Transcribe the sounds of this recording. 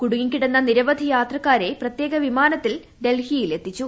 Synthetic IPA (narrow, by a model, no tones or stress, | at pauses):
kuɽuŋiŋkːiɽenːɐniɾɐʋɐd̪ʱijaːt̪rɐkːaːɾe̞prɐt̪je̞ːɡɐʋimaːnɐt̪ːil | ɖe̞lhijile̞t̪ːit͡ɕːu